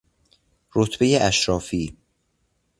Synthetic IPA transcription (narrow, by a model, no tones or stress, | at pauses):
ɾot̪ʰbejeʔæʃɾɒːfiː